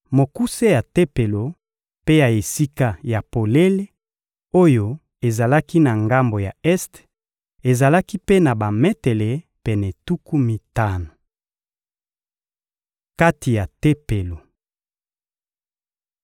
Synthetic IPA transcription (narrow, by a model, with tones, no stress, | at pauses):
mo˨ku˦se˦ja˨te˦pe˨lo˨ | pe˦ja˨e˨si˦ka˦ja˨po˨le˦le˦ | o˦jo˦ | e˨za˨la˦ki˦na˨ŋɡa˦mbo˨ja˨ɛ˦st | e˨za˨la˦ki˦pe˦na˨ba˨mɛ˦te˨le˨ | pɛ˨nɛ˨tu˦ku˦mi˨ta˦no˨ | ka˦ti˨ja˨te˦pe˨lo˨